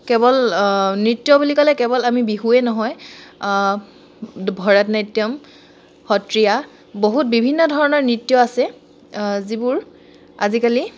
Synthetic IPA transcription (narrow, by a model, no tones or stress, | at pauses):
kɛbɔlnɹitːjɔbulikɔlɛkɛbɔlamibiɦuɛnɔɦɔj | bʱɔɹɛtnajtːijɔm | xɔtɹija | boɦut̚bibʱinːɔdʱɔɹɔnɔɹnɹitːjɔasɛ | zibuɹ | azikali